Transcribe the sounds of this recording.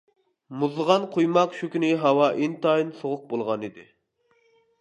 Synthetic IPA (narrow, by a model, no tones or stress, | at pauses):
muzˠəʁɑnqʰojmɑqʃukʲynɪɦɑwɑʔint̪ɑinsoʁʊq̚bolˠʁɑnid̪ɪ